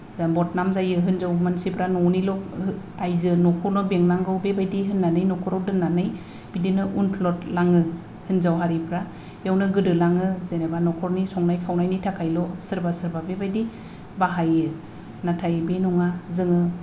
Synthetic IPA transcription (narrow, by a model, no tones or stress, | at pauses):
zabɔt̚namzajɯɦɯnzawmansipʰɾanɔwnilɔk | ajzɯnɔkʰɔɾnɔbeŋnaŋɡɯwbebajdiɦɯnːanɯjnɔkʰɔɾɔwdɯmnnanɯj | b̥idinɯʔunpʰlɔtlaŋɯ | hɯnzawɦaɾipʰɾa | jawnɯɡɯdɯlaŋɯzenebanɔkʰɔɾnisɔŋnajpʰawnajnitʰakʰajlɔsɯɾbasɯɾbabebajdi | baɦajɯ | natʰajbenɔŋazɯŋɯ